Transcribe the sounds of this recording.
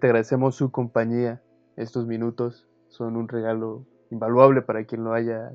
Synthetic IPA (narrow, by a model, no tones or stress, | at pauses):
t̪eaɣɾaðese̞mo̞sːukompaɲia | e̞st̪o̞zmĩnut̪o̞sː | o̞nunre̞ɣalo̞ | imbalwaβ̞le̞paɾakje̞nloaʝa